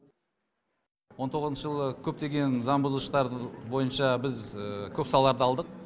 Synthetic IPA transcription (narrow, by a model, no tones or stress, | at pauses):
wo̞nt̪ʰo̞ʁəznʃəʒəlˠəkʲʰɵp̚t̪e̞ɡʲe̞nzɑɴbʊzəlˠəʃt̪ɑɾbo̞jənʃɑbɪzəkʲʰɵpsɑllˠɑɾd̪əɑlˠd̪əq